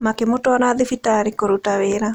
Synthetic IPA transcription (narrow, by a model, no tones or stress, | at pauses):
makemotwaɾaðefitaɾikoɾutaweːɾa